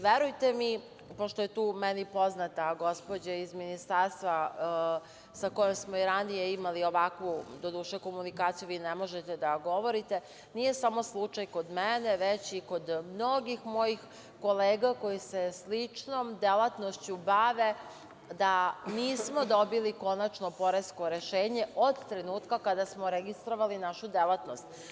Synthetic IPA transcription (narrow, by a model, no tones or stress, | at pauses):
ʋeɾujt̪emi | poʃt̪oje̞t̪uːmenipo̞znat̪aɡo̞spo̞d͡ʑaizminist̪aːɾst̪ʋa | sako̞jemsmoiɾanijeimalio̞ʋakʋud̪o̞d̪uːʃeko̞munikaːt̪sijuʋiːnemo̞ʒet̪ed̪aɡo̞ʋo̞ɾit̪e | nije̞samo̞slˠut͡ʂajko̞d̪mɛneʋet͡ɕiko̞d̪mno̞ɡixmojix | ko̞leːɡako̞jiseslit͡ʂno̞md̪elˠat̪nost͡ɕubaʋe̞ | d̪aniːsmo̞d̪o̞biliko̞nat͡ʃnopo̞ɾe̞sko̞ɾeʃeːɲe̞ʔo̞d̪t̪ɾenuːt̪kakad̪asmoɾeɡist̪ɾo̞ʋalinaʃud̪elˠat̪no̞st̪